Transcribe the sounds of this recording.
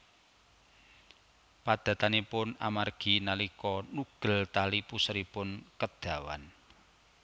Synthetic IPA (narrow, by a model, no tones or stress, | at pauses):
pad̪̥ä̤t̪anepʊna̰marɡ̥i̤nalikɔnuɡ̥ə̤lt̪alipusɾipʊnkəd̪̥a̤wa̰n